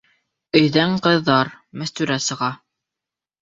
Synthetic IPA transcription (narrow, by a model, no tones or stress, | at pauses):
ɵ̆jðæŋqɤ̆ðːɑɾ | mæst̪ʉɾæsɤ̆ʁɑ